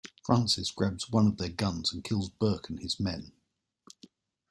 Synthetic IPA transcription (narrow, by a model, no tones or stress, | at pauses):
fɹãˑnsɪsɡ̥ɹabz̥wʌ̃nəvðəɡʌ̃nz̥ə̃nkʰɪlˠzbɜˑkʰə̃nɪzmɛ̃n